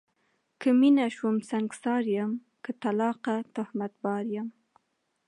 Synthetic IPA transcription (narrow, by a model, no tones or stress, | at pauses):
kəminaʃwumsaŋɡsɑɾjəm | kət̪alɑqat̪ʊhmat̪̚bɑɾjəm